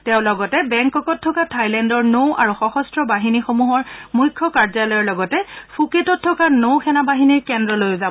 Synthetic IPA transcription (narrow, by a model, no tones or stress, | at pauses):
tɛʊ̃lɔɡɔtɛbɛŋkɔkɔtʰːɔkatʰajlɛndɔɹnowʔa̰ɹuxɔxɔstɹɔbaɦinixomuɦɔɹmujkʰːɔkaɹzalɔjɔɹlɔɡɔtɛpʰuketɔtʰːɔkanowxʰɛnabaɦiniɹkɛndɹɔlojʊzabɔ